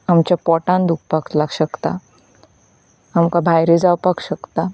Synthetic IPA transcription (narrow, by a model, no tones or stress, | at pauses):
amt͡ɕjapɔʈãnd̪uk̚ʰpaklaɡɕəkt̪a | amkabʱajɾed͡zawpakɕəkt̪a